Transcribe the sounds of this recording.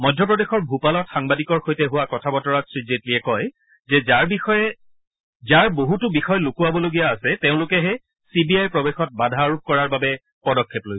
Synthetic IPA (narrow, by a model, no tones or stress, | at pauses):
mɔjdʱjɔp̬ɹɔdexɔɹbʱupalɔtxaŋbadikɔɹxojtɛɦʊwakɔtʰabɔtɔɹatsɹid͡ʒetliɛkɔj | zɛaɹbiɔɛ | zaɹboɦutʊbixɔjlukuwabɔloɡijaːsɛteʊ̃lʊkɛɦɛ | sibiajpɹɔbexɔt̚badʱaːɹup̚kɔɹaɹbabɛ | pɔdɔkʰːeplojsɛ̥